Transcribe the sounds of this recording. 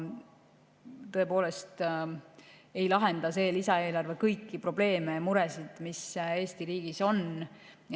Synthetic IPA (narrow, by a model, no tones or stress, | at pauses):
t̪ɤ̞e̞po̞ːle̞st̪ | e̞jlɑɦe̞nd̪̥ɑse̞ːlisɑe̞ːlɑrve̞kɤjkːipro̞ble̞ːme̞muɾesid̪̥mise̞ːst̪iɾiːɡ̥iso̞n